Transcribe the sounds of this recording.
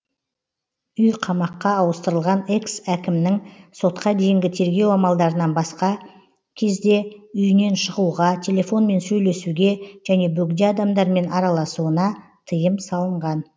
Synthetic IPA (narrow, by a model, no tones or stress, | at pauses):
ʏjqʰɑmɑqːɑːwəst̪əɾəlˠʁɑne̞ksækʲɪmnɪŋso̞t̪qɑd̪e̞jɪŋɡʲɪt̪ʰe̞ɾɡʲe̞wɑmɑlˠd̪ɑɾənɑnbɑsqɑ | kʲʰe̞zd̪e̞ʏjɪne̞nʃəʁuʁɑt̪ʲʰe̞lʲe̞fo̞nme̞nsɵjle̞suɡʲe̞ʒ̥æne̞bɵɡd̪eɑd̪ɑmd̪ɑɾme̞nɑɾɑlˠɑsuənɑ | t̪ʰəjəmsɑlˠəɴʁɑn